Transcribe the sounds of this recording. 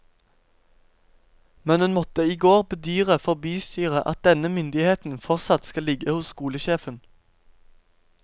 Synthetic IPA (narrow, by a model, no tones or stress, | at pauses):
mɛnhʉnmɔt̪əiːɡoːʁbəd̪yːʁəfɔʁbyːst̪yːʁəʔɑ̰t̪̚d̪ɛnəmʏnd̪ɪheːt̪n̩fɔʁtsɑt̪skɑlɪɡəhʊsskuːləʃeːfən